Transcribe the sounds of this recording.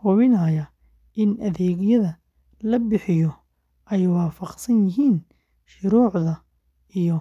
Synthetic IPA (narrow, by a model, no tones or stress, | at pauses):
hʊβɪnajɐ | ʔɪnʔɐðɛːɣɪjɐðɐ | lɐbɪħɪjɔ | ʔɛjwɑːfɑqsɐnjɪɦiːn | ʃʊɾuːʕðɐ | ʔijɔ